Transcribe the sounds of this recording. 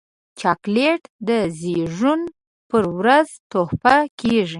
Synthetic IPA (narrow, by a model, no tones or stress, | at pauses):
t͡ʃɑkleʈd̪əzeʐun | pəɾwɾazt̪ohpakeʐi